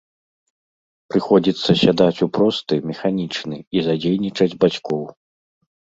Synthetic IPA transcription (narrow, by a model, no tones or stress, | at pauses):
pɾɨxɔd͡zʲit̪sːɐsʲad̪at͡sʲupɾɔst̪ɨmʲɛxanʲit͡ʂnɨizad͡zʲejnʲit͡ʂɐd͡zʲbat͡sʲkɔw